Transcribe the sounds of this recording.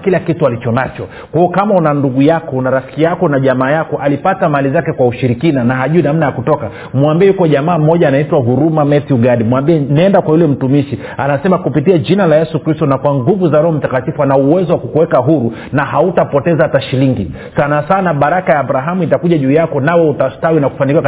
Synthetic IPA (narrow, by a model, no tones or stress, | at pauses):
kilakitualit͡ʃɔnat͡ʃɔ | kwaɔkamaunanduɡujakɔnaɾafi̥kijakɔnaʄamaːjakɔʔalipatamalizakɛkwauʃiɾikinanaɦaʄuinam̩najakutɔka | mwambiɛjukɔʄamaːm̩ɔʄaːnaitwaɦuɾumamɛtiuɡaɗimuwambiɛnɛndakwajulɛm̩tumiʃi | anasɛmakupitiaʄinalajɛsukɾistɔnakwaŋɡuvuzalɔɔm̩takatifuanauwɛzɔwakukuwɛkaɦuɾu | nahautapɔtɛzahataʃiliŋɡi | sanasanaɓaɾakajaːbɾaɦamuitakuʄaʄuːjakɔnawɛutastawinaku̥fanikiwa